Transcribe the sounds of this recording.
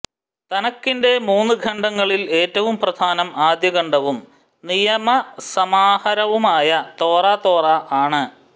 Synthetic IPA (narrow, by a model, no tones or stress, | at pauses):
t̪ɐnɐkːinde̞muːnːɨɡʱɐɳɖɐŋːɐɭile̞ːtːɐʋumprɐd̪ʱaːnɐmaːd̪jɐɣɐɳɖɐʋum | nijɐmɐsɐmaːhɐɾɐʋumaːjɐt̪o̞ːraːt̪o̞ːrɐʔaːɳɨ